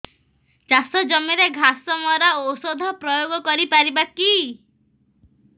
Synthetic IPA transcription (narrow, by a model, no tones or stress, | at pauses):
t͡ʃasɔd͡ʒɔmiɾeɡʱasɔmɔɾaosod̪ʱɔpɾɔjoɡɔkɔɾipaɾibaki